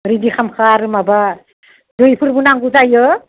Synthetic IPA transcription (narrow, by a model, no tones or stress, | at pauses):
ɾidikʰamkʰaɾɯmaba | dujpʰɯɾbunaŋɡuzajɯ